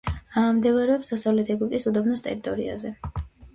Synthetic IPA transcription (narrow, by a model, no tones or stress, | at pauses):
amd̪ɛvaɾɛɔpsd̪asavlɛt̪ʰɛɡip̚ʼt̪ʼisud̪ɔbnɔst̪ʼɛ̰ɾit̪ʼɔɾia̰zɛ